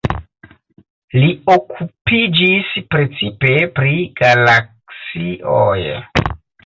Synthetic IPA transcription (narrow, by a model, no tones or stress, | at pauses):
liokʰupid͡ʒispɾe̞t͡sipe̞pɾiɡ̥alaksiʔo̰j